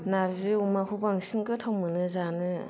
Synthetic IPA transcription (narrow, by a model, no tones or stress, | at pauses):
naɾziumahubaŋsiŋɡɯtʰawmɯnɯzanɯ